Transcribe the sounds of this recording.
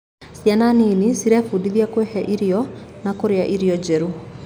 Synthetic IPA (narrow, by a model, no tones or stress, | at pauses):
sjananeːnisiɾɛfudiðjakwehɛʔiɾiɔnakoɾeaʔiɾiɔd͡ʑɛɾu